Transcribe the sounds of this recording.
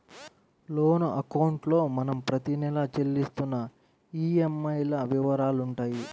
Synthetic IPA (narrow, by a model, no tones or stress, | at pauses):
lo̞ːnuʔɐkɐwɳʈlo̞ːmɐnɐmpɾɐt̪inɛlɐt͡ʃe̞lːist̪unːɐ | iːemːɐjlɐʋiʋɐɾaːluɳʈaːji